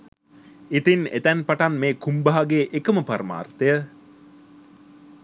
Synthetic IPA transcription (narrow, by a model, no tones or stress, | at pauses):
it̪inḛt̪ænpaʈanmeːkumbaɦaɡeːʔekəməpaɾma̰ːrt̪ejə